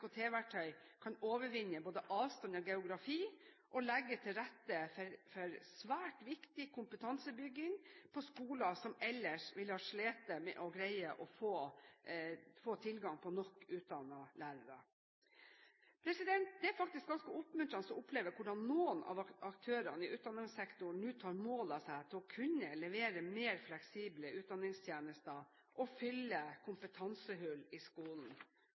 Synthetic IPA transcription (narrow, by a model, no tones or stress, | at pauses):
kʰot̪ʰeːʋæʈʰœʏ | kʰɑnoːʋəɾʋɪnːəboːd̪əʔɑːʋst̪ɑnɔɡɛʊɡɾɑfiː | ʔɔlɛɡːət̪ʰɪlɾɛt̪ːəɾfɔɾsʋæːʈʋɪkt̪ɪkʰʊmpət̪ʰɑnsəbʏɡːɪŋpʰɔskuːlɑsɔmɛlːəʂʋɪlhɑːʂɭeːt̪əmɛ̰ʔɔɡɾæɪəʔɔfoː | foːt̪ʰɪlɡɑŋpʰɔnɔkːʉːt̪̚d̪ɑnəlæːɾəɾə | pʰɾɛsɪd̪ɛnt̪̚d̪ɛæɾfɑk̚t̪ɪsk̚ɡɑnskəʊpmʉnt̪ɾɑnəsɔmʊpleːʋəɾkʰʊɖɑnnuːənʔɑ̰ʋɑkt̪ʰøːɾɑnəɪʔʉːt̪d̪ɑnɪŋsɛkt̪ʊɳnʉːt̪ʰɑːɾmoːlɑsæɪt̪ʰɪlɔkʰʉnːəlɛʋeːɾəmeːɾflɛksiːbləʉːt̪̚d̪ɑnɪŋst̪ʰjeːnəst̪ə | ʔɔfʏlːəkʰʊmpət̪ʰɑnsəɦʉlːɪskuːln̩